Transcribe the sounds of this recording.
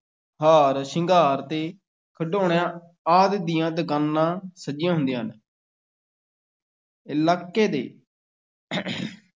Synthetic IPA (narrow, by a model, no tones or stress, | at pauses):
haːɾsɪŋɡʱaːɾt̪eː | kʰəɖoːɽjãː | aːd̪d̪ɪjãːd̪əkaːnːãːsəd͡ʒɪjãːɦʊ̃nd̪ijãːɦn | ɪlaːkːeːd̪ḛː